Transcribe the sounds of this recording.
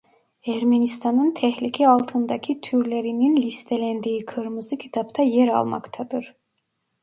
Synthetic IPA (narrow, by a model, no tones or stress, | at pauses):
æɾmenist̪ʰɑnɯnt̪ʰɛhlʲicʰɛalˠt̪ʰɯnd̪ɑcʰit̪ʰyɾlʲeɾininlʲist̪ʰelʲænd̪iːikʰɯɾmɯzɯcʰi̥t̪ʰapt̪ʰɑjeɾɑ̰lˠma̰kt̪ʰad̪ɯɾ̥